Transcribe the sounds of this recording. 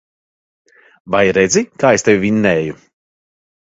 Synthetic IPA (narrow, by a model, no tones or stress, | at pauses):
vajɾɛd̪zikaːest̪ʲewʲvʲiɲnɛːju